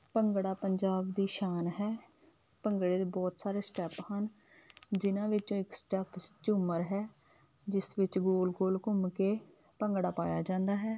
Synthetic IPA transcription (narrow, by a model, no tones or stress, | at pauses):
pəŋɡɽaːpəɲd͡ʒaːbd̪iːʃaːnɦɛː | pəŋɡɽeːd̪eːbɔːt̪saːɾeːsʈɛːphən | d͡ʒɪnãːʋɪt͡ʃõːɪksʈɛːpʰt͡ʃʊməɾɦɛː | d͡ʒɪsʋɪt͡ʃɡoːlɡoːlkʊmkeː | pəŋɡɽaːpaːjaːd͡ʒãːnd̪aːɦɛː